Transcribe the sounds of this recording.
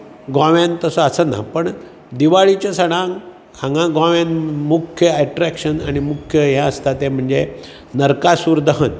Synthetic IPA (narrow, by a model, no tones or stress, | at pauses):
ɡɔ̃ʋjãnt̪əsəəsəna̰pəɳ | d̪iʋaɭit͡ɕasəɽ̃ãŋ | ãŋɡãɡɔ̃ʋjãnmukʰjəɛʈɾækʂənaɽ̃imukʰjəjãəst̪at̪em̤əɳd͡ze | nəɾkasuːɾd̪əɦən